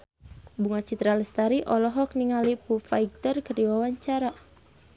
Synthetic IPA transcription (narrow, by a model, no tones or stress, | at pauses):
buŋat͡ʃit̪ɾalist̪aɾiʔɔlɔɦɔk̚niŋalipufaiɡ̚t̪ərkərdiwawaɲt͡ʃaɾa